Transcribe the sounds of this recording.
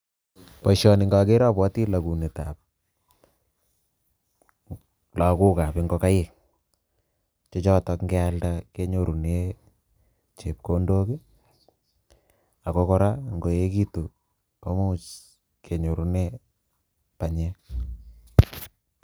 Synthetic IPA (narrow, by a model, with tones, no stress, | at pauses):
pɔ˨ʃɔ˨nɪ˨ŋɡa˨ɡe˦ɾa˦pwɔ˦ti˦la˨ku˨ni˨ta˨p̚ | la˨ku˦ka˨pɪ˦ŋɡɔ˦ka˦jɪ˨k | t͡ʃɔ˦t͡ʃɔ˦tɔ˦kŋɡɛ˦alda˦ke˦ɲo˨ɾu˨ne | t͡ʃe˨p̚ko˦ndo˦ki˦ | a˨ko˦kɔ˦ɾa˦ŋɡo˨je˦ki˦to˨ | ka˦mu˦t͡ʃ | kʰe˨ɲo˨ɾu˦ne | pa˨ɲɛ˦